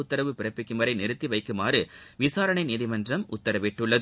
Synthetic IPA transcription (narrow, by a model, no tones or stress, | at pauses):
ʊt̪ːɐɾɐʋɯpɪɾɐpːɪkːɯmɐɾɐɪnɪɾɯt̪ːiʋɐɪkːɯmaːɾɯʋɪsaːɾɐɳɐɪniːðɪmɐndrɐmʊt̪ːɐɾɐʋɪʈːɯɭːɐð